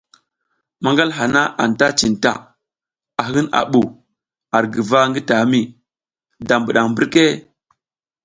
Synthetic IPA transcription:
ma˦ŋɡa˦lɦa˨na˦ʔa̰˨nta˦t͡ʃi˨nta̰˦˨ | a˨ɦi˦na̰˨ɓu˨ | a˨ɾɡə˨va˦ŋɡi˦ta˨˦mi˦ | da˨mbu˨ɗa˨ŋmbi˦ɾke˦

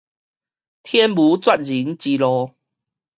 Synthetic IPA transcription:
t̪ʰjɛ˦nbu˨˦t͡swa˥˧t̚zi˨˦nt͡ɕi˧lɔ˧

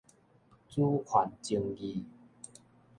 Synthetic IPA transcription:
t͡su˦hʰwa˨˩nt͡ɕi˧ŋɡi˧

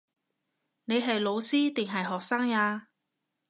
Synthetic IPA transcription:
ne˨˧jɦɐ˨jlo˨˧wsiː˥t̪ɪ˨˩ŋɦɐ˨jɦɔː˨k̚saː˥ŋaː˧

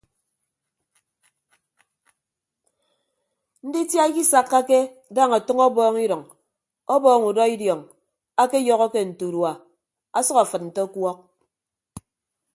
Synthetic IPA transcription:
n̩˦di˦tja˦ki˦sa˨kːa˦ke˦ | daː˦ŋa˨tɔ˦ŋɔ˦bɔː˦ŋi˦ɾɔ˨ŋ | ɔ˦bɔː˦˨ŋu˨dɔ˦i˦djɔ˨ŋ | a˦ke˦jɔ˨ɣɔ˦ke˦n̩˨tu˨ɾwa˨ | a˦sɔ˦ka˨fɨ˨t̚n̩˨tɔ˦kwɔ˦k̚

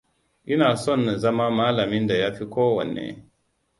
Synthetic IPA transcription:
ʔi˦na˨sɔ˦˨nːə˨za˦ma˦ma˦la˨mi˦nda˨ja˦fi˦koː˦wɔ̰˨nːḛ˦

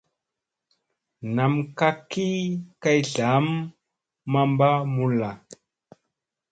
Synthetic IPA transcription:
na˨mka˦ki˦ka˦jɮa˨˦mː | a˦mba˦mu˦la˨

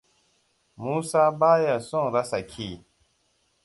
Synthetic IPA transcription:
mu˦sa˦ba˦ja˨sɔ̃˦˨ŋɾa˦sa˨kʰi˦˨

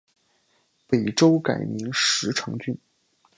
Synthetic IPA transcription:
pe˨˩ɪʈ͡ʂo˥ʊka̰˨˩ɪmi˧˥ŋʂɻ̩˧˥ʈ͡ʂʰɤ˧˥ŋt͡ɕy˥˩n

